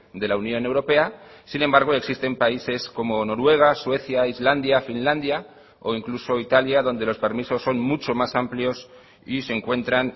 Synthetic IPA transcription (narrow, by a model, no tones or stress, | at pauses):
d̪e̞launjõ̞ne̞wɾo̞pe̞asinẽ̞mbaɾɣ̞o̞e̞ksist̪e̞mpaise̞sko̞mo̞no̞ɾwe̞ɣ̞aswe̞θjaizland̪jafinland̪ja | o̞̰iŋkluso̞it̪aljaðo̞nd̪e̞lo̞spe̞ɾmiso̞sːo̞nmut͡ʃo̞masampljo̞s | ise̞ŋkwe̞nt̪ɾan